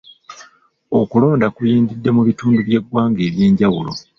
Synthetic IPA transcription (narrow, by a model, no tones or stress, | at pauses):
okulo̞ːndakujiːndidːe̞muβituːnduβje̞ɡːwaːŋɡe̞ːβje̞ːɲɟawulo̞̰